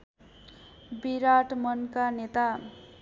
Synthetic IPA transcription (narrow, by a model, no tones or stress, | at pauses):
biɾaʈmʌnkanet̪a